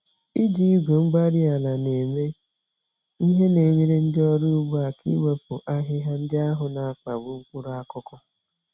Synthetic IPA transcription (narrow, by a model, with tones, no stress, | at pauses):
i˦d͡ʒi˨i˦ɡʷo˨ŋ͡m̩˦ɡ͡ba˦ɾi˦a˨la˨ne˨me˦ | i˦ɦe˦ne˨ɲi˦ɾe˦n̩˦dɪ˦ɔ˦ɾu˦ʊ˦ɡ͡bu˦a˨kʰḭ˦we˦pʊ˨ʔa˦ɦɪ˦ɦa˦n̩˦dɪ˦a˦ɦʊ˨na˨a˨k͡pa˨ɡ͡bʊ˨ŋ̩˦kʷʊ˦ɾa˦kʊ˦kɔ˦